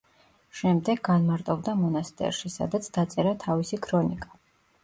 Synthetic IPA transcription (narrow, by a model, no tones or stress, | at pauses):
ʃɛmd̪ɛɡːanmaɾt̪ʼɔbd̪amɔnast̪ʼɛ̰ɾʃisa̰d̪at̪sʰd̪at̪sʼɛɾat̪ʰavisikʰɾɔnikʼḁ